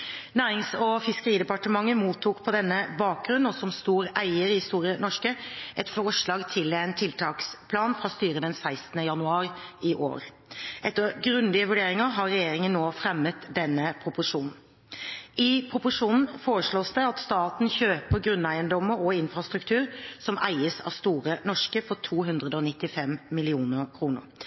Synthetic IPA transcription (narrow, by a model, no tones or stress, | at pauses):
næːɾɪŋsɔfɪskəɾiːd̪ɛpɑʈəmɑŋːəmuːt̪ʰːuːkpʰɔd̪ɛnːəbɑːk̚ɡɾʉnːɔsɔmst̪uːɾæɪəɾɪhɪst̪uːɾɪənɔʂkəʔɛt̪fɔʂɭɑːɡt̪ʰɪlɛnt̪ʰɪlt̪ʰɑːkspʰlɑːnfɾɑst̪yːɾəd̪ɛnsæɪst̪n̩əjɑnʉɑːɾɪɪʔo̰ːɾ | ʔɛt̪ːəɡɾʉnd̪ɪəʋʉɖeːɾɪŋəɦɑɾʁɛjeːɾɪŋənːoːfɾɛmːət̪d̪ɛnːəpʰʁʊpʊʂuːnn̩ | ɪpʰɾʊpʊʂuːnn̩foːɾəʂɭoːsd̪ɛɑt̪st̪ɑːt̪nçøːpʰɔɡɾʉnːæɪənd̪ɔmːəɾɔɪnfʁɑst̪ɾʉkt̪ʰʉːʁsɔmʔæɪəsɑ̰ʋst̪uːʁənɔʂkəfɔt̪ʰuːɦʉnd̪ʁəd̪əɔnɪt̪ːɪfɛmmɪlɪuːnəɾkʰɾuːnʊ̰